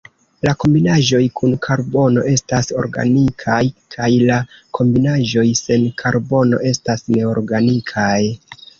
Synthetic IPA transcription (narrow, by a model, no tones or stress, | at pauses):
lako̞mbinaʒo̞jkʰunkʰaɾbo̞no̞̰ʔe̞staso̞̰ɾɡa̰nikʰajkʰajlakʰo̞mbinaʒo̞jse̞nkʰaɾbo̞no̞̰ʔe̞stasne̞o̞ɾɡanikʰaj